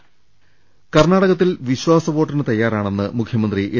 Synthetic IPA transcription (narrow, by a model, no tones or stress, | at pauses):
kɐrɳaːɽɐɣɐt̪̬ːilʋiɕʋaːsɐʋo̞ːʈːrinɨt̪ɐjːaːɾaːɳe̞nːɨmukʰjɐmɐnd̪riʔe